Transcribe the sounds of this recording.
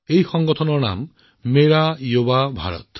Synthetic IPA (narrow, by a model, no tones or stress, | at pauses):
ejxɔŋɡɔt̪ʰɔnɔna̰mː | eɾajobabʱa̰ɾɔ̰t̪